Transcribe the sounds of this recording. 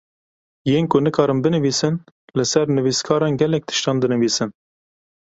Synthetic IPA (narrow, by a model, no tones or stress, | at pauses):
jeːnkʊnɨkʰɑːɾɨmbɨnɨviːsɨn | lɨsɛɾnɨviskʰɑːɾɑːnɡɛlɛk̚t̪ʰɨ̥ʃt̪ɑːnd̪ɨnɨviːsɨn